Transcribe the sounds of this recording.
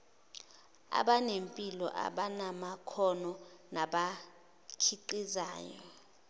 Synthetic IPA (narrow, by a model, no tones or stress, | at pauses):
a̰ɓanempʼilɔ̰ʔa̰ɓanamakʰɔnɔnaɓa | kʰiǃiza̰ːjɔ̰